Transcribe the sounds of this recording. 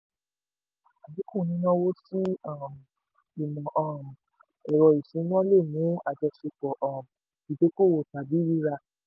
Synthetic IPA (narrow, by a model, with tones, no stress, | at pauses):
a˨bi˨˦kũ˦˨nĩ˨˦nã˦wo˦si˦a˦˨m˨ | i˨mɔ̃˨ʔɔ˨m˨ | ɛ˨ɾɔ˨i˨sĩ˨˦n˦ɔ̃˦le˦˨mũ˨˦a˨d͡ʒɛ˧ʃe˧k͡pɔ˨ʔɔ˦˨m˨ | i˨de˨˦ko˦˨wo˨ta˨bi˦ɾi˦ɾa˧